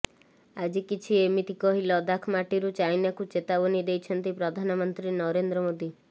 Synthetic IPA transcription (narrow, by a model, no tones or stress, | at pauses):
ad͡ʒikit͡ʃʰiemit̪ikɔɦilɔd̪akʰmaʈiɾut͡ʃajnakut͡ʃet̪abɔnid̪ejt͡ʃʰɔnt̪ipɾɔd̪ʱanɔmɔnt̪ɾinɔɾend̪ɾɔmod̪i